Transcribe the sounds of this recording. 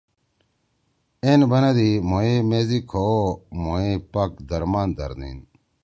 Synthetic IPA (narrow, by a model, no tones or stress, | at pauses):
enbɐnɐd̪imoemeːzikʰomoepɐkd̪ɐɾmaːnd̪ɐ̰ɾd̪ḭn